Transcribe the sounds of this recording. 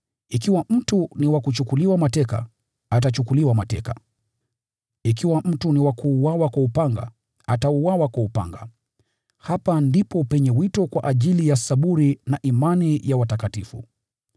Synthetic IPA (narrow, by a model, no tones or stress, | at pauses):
ikiwam̩tuniwakut͡ʃukuliwamatɛka̰ | at̬at͡ʃukuliwamatɛ̰ka̰ | ikiwam̩tuniwakuːwawakwaupaŋɡa̰ | atauwawakwaupa̰ŋɡa̰ | hapandipɔpɛɲɛwitɔkwa̰ʔaʄilijasaɓuɾinaʔimanijawatakatifṵ